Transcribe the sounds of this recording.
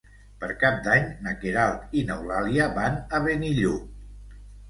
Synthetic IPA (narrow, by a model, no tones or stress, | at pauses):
pəɾkap̚d̪aɲnəkeɾalˠt̪inəwlaliəβanəβeniʎu